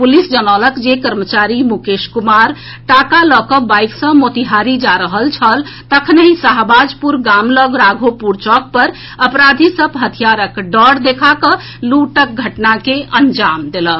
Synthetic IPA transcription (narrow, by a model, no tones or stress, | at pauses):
pulisd͡ʒənɔləkd͡ʒekəɾmət͡ʃaɾimukeʃkumaɾ | ʈakalɔkəbajksə̃mot̪iɦaɾid͡ʒaɾəɦəlt͡ʃʰəlt̪əkʰnəɦisəɦbad͡ʒpuɾɡamləɡɾaɡʱopuɾt͡ʃɔk̚pəɾ | əpɾad̪ʱisəbɦət̪ʰijaɾəkɖəɽd̪ekʰakə | luʈək̚ɡʱəʈnakeʔənd͡ʒamd̪elə